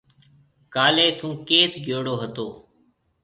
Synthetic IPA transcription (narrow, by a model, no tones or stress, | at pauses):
kaːleːt̪ʰũːkeːt̪ʰɡʱjoːɽoːɦət̪oː